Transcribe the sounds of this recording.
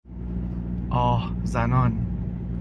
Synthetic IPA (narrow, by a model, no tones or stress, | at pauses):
ʔɒːhzænɒːn